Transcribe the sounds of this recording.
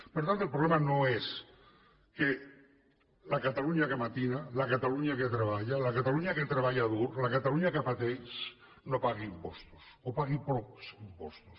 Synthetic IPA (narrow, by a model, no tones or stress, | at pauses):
peɾot̪ant̪oelpɾolemanoes | ke | lakat̪aluɲakemat̪inalakat̪aluɲaket̪ɾeβ̞aʎalakat̪aluɲaket̪ɾeβaʎaðuɾlakat̪aluɲakafat̪ejs | nopaɣ̞iimpost̪u̥sopaɣipoksimpost̪u̥s